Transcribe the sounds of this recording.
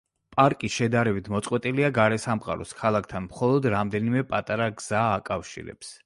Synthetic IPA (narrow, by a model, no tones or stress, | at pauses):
pʼaɾkʼisʃɛd̪aɾɛbit̪ʰmɔt̪sʼqʼwɛt̪ʼiliaɡaɾɛsamqʼa̰ɾɔ̰skʰalˠakʰt̪ʰanmχɔlˠɔd̪ɾamd̪ɛnimɛpʼat̪ʼaɾaɡz̥aːkʼafʃḭɾɛ̰ps